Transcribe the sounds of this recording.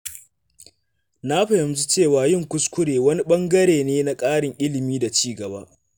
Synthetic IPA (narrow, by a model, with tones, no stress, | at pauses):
na˦ɸɐ˨jɐ˨mzi˦t͡ʃeː˦˨waː˨jɪ˦˨ŋkʷʊ˦skʷʊ˦ɽeː˨wɐ˦ni˦ɓɐ˦ŋɡɐ˦ɽeː˨neː˦na˦kʼaː˦ɽɪ˨ŋʔɪ˦lɪ˨miː˦da˨t͡ʃiː˦˨ɡɐ˨ba̰ː˦ʔ